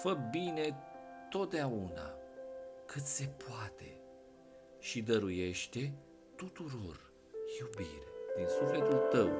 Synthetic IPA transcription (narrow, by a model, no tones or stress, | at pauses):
fək̚bine̞t̪o̞t̪̚d̪eauna̰ | kɨt̪se̞pʰoat̪e̞̰ | ʃid̪əɾuje̞ʃt̪e̞ | t̪ut̪uɾo̞r | jubirʲd̪̥insufle̞t̪ult̪əw